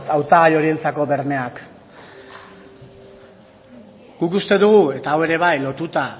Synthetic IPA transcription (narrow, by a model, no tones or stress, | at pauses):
t̪awt̪aɣajo̞ɾie̞nt͡sako̞βe̞ɾme̞ak | ɡ̥ukust̪e̞ðuɣ̞ue̞t̪aːwe̞ɾe̞β̞ajlo̞t̪ut̪a